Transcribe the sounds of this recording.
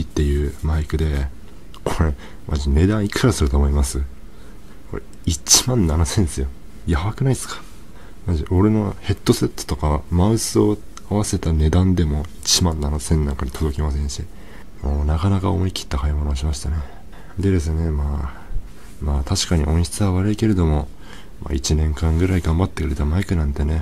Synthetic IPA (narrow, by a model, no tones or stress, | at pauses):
it̪ːe̞jɯ̟ːmaikɯ̟d̪e̞ | kʰo̞ɾe | mʔa̰ʑine̞d̪ãɰ̃ikɯɾasɨɾɯ̟t̪o̞ːmo̞imasɨ | koɾḛ | it͡ɕi̥mãnːanosẽnsɨjo̞ | jaβakɯnaisɨ̥kḁ | maʑiʔo̞ɾeno̞he̞t̪ːo̞se̞t̪ːo̥t̪o̞kamaɯ̟sɨo̞ | aβase̞t̪ane̞d̪ãnd̪e̞mo̞it͡ɕimãnːanosẽ̞nːãŋkad̪i̥t̪o̞d̪o̞kʲimas̬ẽ̞ɰ̃ɕi | mo̞ːnakanakao̰mo̞ikʲʰi̥t̪ːakaimo̞no̞ːɕ̬imaɕi̥t̪ane | d̪e̞d̪e̞s̬ɨne̞maː | maːt̪ʰaɕi̥kaɲ̟iʔõ̞ɰ̃ɕi̥t͡sɨβaβaɾɯ̟ike̞ɾe̞d̪o̞mo̞ | ma̰it͡ɕinẽ̞ŋkãŋɡɯ̟ɾaiɡãmbat̪ːe̞kɯ̟ɾe̞t̪amaikɯ̟nãnt̪e̞ne̞